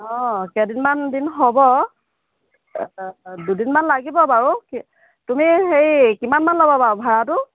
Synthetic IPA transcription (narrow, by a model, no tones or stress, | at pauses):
ɔkɛdinmandinɦobɔ | dudinmanlaɡibɔbaɹuk | tumixejkimanmanlɔbɔbaɹʊbʱaɹatʊ